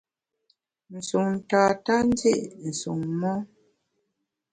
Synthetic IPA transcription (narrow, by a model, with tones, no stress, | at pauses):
n̩˨su˨ŋn̩˨taː˨ta˦n˦de˦ʔn̩˨su˨ŋmɔ˦